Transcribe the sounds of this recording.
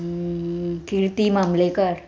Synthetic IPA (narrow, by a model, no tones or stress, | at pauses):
kiɾt̪imamlekaɾ